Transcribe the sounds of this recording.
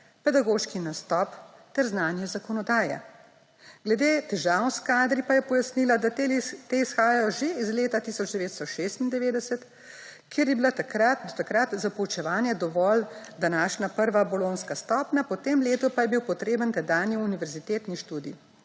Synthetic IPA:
pɛd̪aɡoːʃkinast̪ɔp | t̪ɛɾznaːnjɛzakɔnɔd̪aːjɛ̰ | ɡ̥lɛd̪eːt̪ɛʒawnskaːd̪ɾipajɛpɔjasnilad̪at̪eisxaːjajɔʒeizleːt̪at̪isɔd͡ʒd̪ɛʋeːt̪st̪ɔʃeːst̪ind̪ɛʋeːd̪ɛsɛt̪ | kjeɾjɛbilat̪akɾad̪ɔt̪akɾat̪zapɔwt͡ʃɛʋaːnjɛd̪ɔʋɔld̪anaːʃnapəɾʋabɔloːnskast̪ɔːpnʲapɔt̪eːmleːt̪ɔpajɛbiwpɔt̪ɾeːbənt̪ɛd̪aːnjiuniʋɛɾzit̪eːt̪niʃt̪uːd̪ḭ

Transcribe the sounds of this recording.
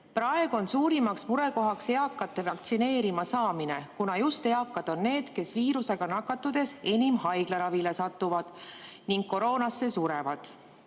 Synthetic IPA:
prɑe̞ɡ̥uo̞nsuːɾimɑksmuɾe̞ko̞ɦɑkse̞ɑkːˑɑt̪ːˑe̞vɑkt̪sine̞ːɾimɑsɑːmine̞kunɑjust̪e̞ɑkːˑɑd̪̥o̞nːe̞ːd̪̥ke̞sviːɾuse̞ɡ̥ɑnɑkːˑɑt̪ːˑud̪̥e̞se̞nʲimhɑjɡ̥lɑɾɑvile̞sɑt̪ˑːuvɑd̪̥niŋɡkːo̞ɾo̞ːnɑsːe̞suɾe̞vɑd̪̥

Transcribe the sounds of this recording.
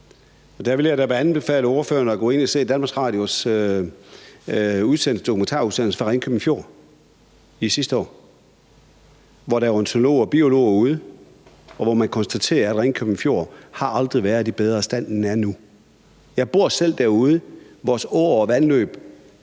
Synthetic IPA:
ɒ̽d̥æɐʋe̝ljɑ̈ɪɾ̥æʋeænn̩b̥e̝fɛ̰ːləo̝ːɐføːɐnəɒ̽ɡ̥ɔ̰̽ːe̝n̰ɒse̝̰ːd̥ænmɑ̈sʁɑ̈ːd̥jo̝s | uðˠsen̰l̩səd̥okʰument͡sʰɑ̰̈ːuðˠsen̰l̩sə̥fɑ̈ʁɛŋkʰøbm̩fjo̝̰ɐ̰ | isisd̥əɒ̰ː | ʋɒɾɑjoent͡sʰonolo̝̰ːɒb̥io̝lo̝̰ːuð̞ˠə | ɒ̽ʋɒmænkʰɒ̽nsd̥æt͡sʰe̝̰ːɐæd̥ʁeŋnkʰøb̥mn̩fjo̝ɐ̰hɑ̈ʔɑ̈ld̥ʁiʋæɐð̩ˠd̥ib̥eð̞ˠʁɐsd̥æn̰næɐnu | jɑ̈ɪb̥o̝ɐ̰sel̰d̥æɐ̰uð̞ˠəʋɒːsɔːɐɒʋænlø̰ːb̥

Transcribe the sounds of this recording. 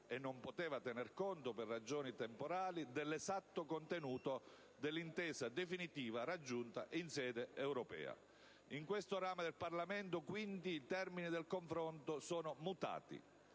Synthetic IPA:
ɛnːompot̪ɛːvat̪ɛnɛrkɔnt̪opɛrːad͡ʒoːnit̪ɛmpoɾaːlid̪ɛlːɛzat̪ːokont̪enuːt̪o | d̪elːint̪ɛːsad̪efinit̪iːvaɾad͡ʒːunt̪a̰ʔinsɛːd̪eɛwɾɔpɛ̰ːa̰ | iŋkwest̪oɾaːmed̪elparlament̪ʊkwint̪iːt̪ɛrminid̪elkoɱfɾɔnt̪osɔːnʊmut̪a̰ːt̪ḭ

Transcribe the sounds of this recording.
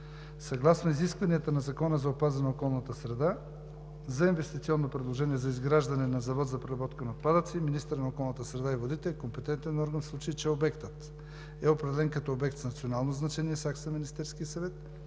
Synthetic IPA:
sɐɡlˠasnoiziskvɐniət̪ənɐzɐkɔnəzɐopazənɛokɔlˠnət̪əsɾɛd̪a | zɐinvɛst̪it̪siɔnːopɾɛd̪lˠoʒɛniɛzɐizɡɾaʒd̪ɐnɛnɐzɐvɔt̪zɐpɾiɾɐbɔt̪kənɐot̪pad̪ət̪siminist̪əɾnɐokɔlˠnət̪əsɾɛd̪aivod̪it̪ɛlikompɛt̪ɛnt̪ɛnɔɾɡənslˠut͡ʃɐit͡ʃɛobɛkt̪ət̪ | ɛopɾɛd̪ɛlɛnkɐt̪ɔobɛk̚t̪znɐt̪sionalˠnoznɐt͡ʃɛniɛsaksɐminist̪ɛɾskijəsɐvɛt̪̚

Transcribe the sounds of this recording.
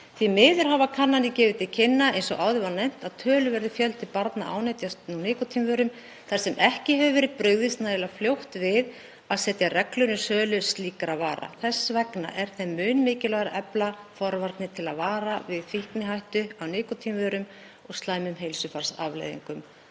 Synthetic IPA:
θimɪːðʏɾ̥havakʰanːanɪcɛːvɪt̪ʰɪlcʰɪnːaejnsɔʔaːwðɪvanejm̥t̪aðt̪ʰœːlʏvɛɾðʏfjœlt̪ɪpaɾt̪na̰ʔa̰ːwnajt̪jasnunɪːkɔt̪ʰimvœːɾʏm | θaɾ̥sɛmʔɛhcɪɦɛvʏvɛːɾɪðpɾʏɣðɪst̪naɛlafljowht̪vɪð | aðsɛːt̪jarɛklʏnʏsœːlʏsliːkaɾaðvaːɾa̰θɛsːvɛkna̰ʔɛɾ̥θɛmːʏːnmɪːcɪlɔɣaɾaʔɛplafɔɾvaɾt̪nɪt̪ʰɪlaðvaːɾavɪðfihknɪɦajht̪ʏawnɪːkɔt̪ʰiːmvœɾʏm | ɔɣst̪laːjmʏmɦejlsʏfaɾ̥sa̰vlḛjðḭŋkʏm

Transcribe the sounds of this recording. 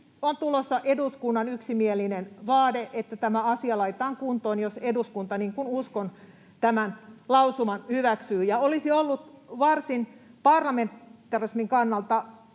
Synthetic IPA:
ont̪ulosːɑʔeduskunːɑnyksimielinenʋɑːdeʔet̪ːæt̪æmæɑsiɑlɑit̪ɑːŋkunt̪oːnjoseduskunt̪ɑniːŋkunuskon | t̪æmænlɑusumɑnhyʋæksyːjɑolisiolːut̪ʋɑrsinpɑrlɑment̪ːˑɑrismiŋkɑnːɑlt̪ɑ

